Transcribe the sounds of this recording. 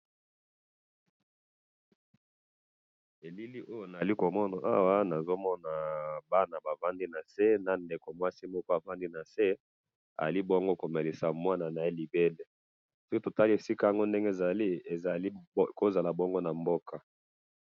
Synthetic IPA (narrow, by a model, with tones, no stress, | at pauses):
e˨li˦li˦ʔo˦jo˨na˨a˨li˦ko˨mɔ˦na˨ʔa̰˦wa˦na˨zo˦mɔ˦na˨ba˦na˨ba˨va˦ndi˦na˨se˦na˨nde˨ko˨mwa˦si˦mɔ˦ko˦a˨va˦ndi˦na˨se˦ | a̰˨ja˨li˦bo˦ŋɡo˦ko˨me˨li˨sa˨mwa˦na˨na˨e˦li˨be˦le˦ | so˦ki˦to˨ta˦li˦e˨si˦ka˦a˨ŋɡo˦nde˦ŋɡe˦e˨za˨li˦e˨za˨i˦ko˦za˨la˨bɔ˦ŋɡo˦na˨mbo˦kʰa˨